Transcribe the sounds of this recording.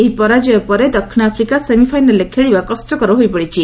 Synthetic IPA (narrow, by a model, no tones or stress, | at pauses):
eɦipɔɾad͡ʒɔjɔpɔɾed̪ɔkʰːiñapʰɾikaseŋɡipʰajnəlekʰeɭibakɔsʈɔkɔɾɔɦojpɔɽit͡ʃʰi